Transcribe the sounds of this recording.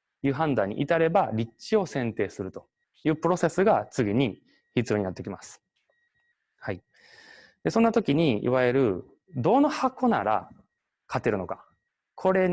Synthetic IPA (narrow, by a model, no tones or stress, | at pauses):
jɯ̟ːɦãnd̪ãɲ̟ḭʔit̪aɾe̞baɾʲit͡ɕio̞sẽ̞nt̪e̞ːsɨɾɯ̟t̪o̞̥ | jɯ̟ːpɯ̟ɾo̞se̞sɨɡat͡sɨɡʲiɲ̟i | çit͡sɨjoɲ̟inat̪ːekʲimasɨ̥ | hai | d̪̥e̞sõ̞nːat̪o̞kʲiɲ̟iḭβaeɾɯ̟ | d̪o̞nohako̞na̰ɾa̰ | kʰat̪ːe̞ɾɯ̟no̞kḁ | kʰo̞ɾe̞